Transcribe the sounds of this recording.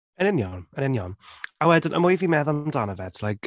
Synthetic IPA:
ənɪnjɔnənɪnjɔnawɛdənʔə̰mʊjviːmɛðamdaːnəvɛdʰlajk

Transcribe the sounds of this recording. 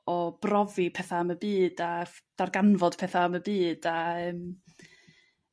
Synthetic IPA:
ɔb̥rɔvipʰɛθaaməbiːd̥ad̥arɡanvɔd̥pʰɛθaməbiːd̥aəːm

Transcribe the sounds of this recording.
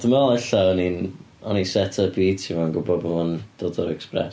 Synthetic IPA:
d̥əmaɛɬaɔnin | ɔnisɛtʰəbiːtʰivɔnɡʊbɔbɔmɔnd̥oːdɔɾɛksprɛ̰s

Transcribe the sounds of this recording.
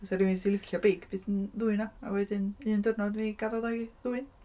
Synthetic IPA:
ɔsɛɾɪwisilˠɪkʰjɔbejɡb̥ɨːθənðuɨnaa̰wɛdɪnɨːndʊrnɔdniɡavɔðɔðuɨn

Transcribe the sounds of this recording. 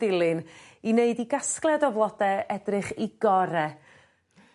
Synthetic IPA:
ɪlˠɨnineɨdiɡasklˠɛdɔvlˠɔdɛɛdrɨχiɡ̥ɔɾɛ

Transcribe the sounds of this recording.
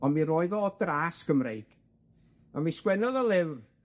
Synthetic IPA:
ɔnmiɾoːɨðɔdraːskʰəmrejɡ̥ | amiskwɛnɔðɔlˠɪv

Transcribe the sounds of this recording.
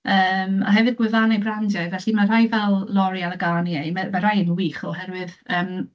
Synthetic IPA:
əːma̰ɦɛvɨdɡwɪðanajbrandjajvɛɬimar̥ajvɛlˠlˠɔɾialˠəɡaːniejmamaɾajənwiːχɔhɛɾwɨðəːm

